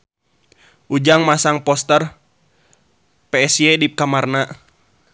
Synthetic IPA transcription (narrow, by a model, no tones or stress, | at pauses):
ʔud͡ʒaŋmasaŋpɔst̪ər | pɛɛsjɛdip̚kamarna